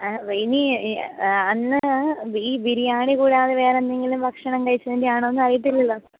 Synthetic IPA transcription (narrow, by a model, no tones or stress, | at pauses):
ini | ɐnːɨbiːbiɾijaːɳikuːɽeaːðeʋe̞ːɾenːeŋɡilumbʱɐkʂɐɳɐŋkɐɻit͡ɕːɐnendijaːɳoonːɨɐrijiʈ̪̬ːilːɐlːo